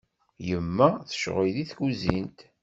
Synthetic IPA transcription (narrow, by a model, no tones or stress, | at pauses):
jəmːæθə̥ʃʁiðiθkuzint̪